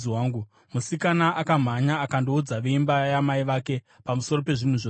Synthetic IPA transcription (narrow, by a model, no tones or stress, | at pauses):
waːŋɡu | musikanaʔakam̤aɲaːkandoud͡zaʋeimbajamaiʋake̞ | pamuso̞ro̞pe̞ʐin̤uʐo